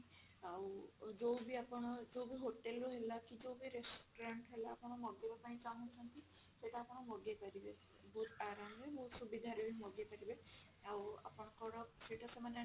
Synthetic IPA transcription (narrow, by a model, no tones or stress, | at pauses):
awd͡ʒowbiapɔɽ̃ɔd͡ʒowbiɦoʈelɾuɦelakid͡ʒowbiɾesʈoɾaɳʈɦelaːpɔɽ̃ɔmɔɡebapaĩt͡ʃaɦɔnt͡ʃʰɔnt̪i | seʈaːpɔɽ̃ɔmɔɡepaɾibe | bʱut̪aɾamebusubid̪ʱaɾebimɔɡepaɾibe | awa̰pɔɽ̃ɔkɔɽɔseʈasemane